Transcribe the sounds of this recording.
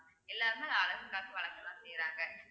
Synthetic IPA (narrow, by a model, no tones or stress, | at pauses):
ɛlːaːɾɯmɐalɐɣɐkaːkːiʋɐɭɐkːɐlãːsɛjɾaːŋɡɐ